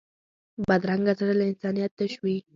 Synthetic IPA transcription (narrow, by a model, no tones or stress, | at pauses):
bad̪ɾaŋɡazaɽəlaɪnsɑnijat̪̚ːaʃwi